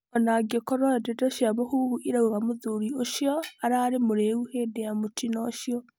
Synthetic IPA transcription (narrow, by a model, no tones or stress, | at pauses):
ɔnaɡekɔɾwadedɔʃjamohuhuʔiɾauɣamoðuɾioʃjɔaɾaɾemoɾeuhedejamotʰinɔʃjɔ